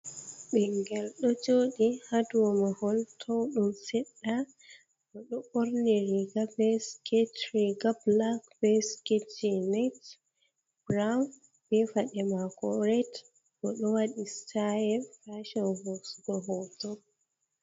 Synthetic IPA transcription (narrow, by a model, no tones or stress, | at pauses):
ɓɛŋɡɛlɗɔd͡ʒoːɗihaduɔmahɔltʰɔwɗumsɛɗːa | ɗɔɗɔʔoɾniɾiɡabɛsketɾiɡablakbɛsketinat | bɾawn | bɛfaɗɛmakɔɾɛt | ɗɔɗɔwaɗisajɛfaʃɔnvɔsɡɔɦɔtɔ